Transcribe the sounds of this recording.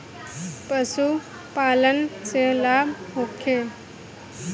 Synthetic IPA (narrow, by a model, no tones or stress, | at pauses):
pəsu | palənt͡selabmokʰe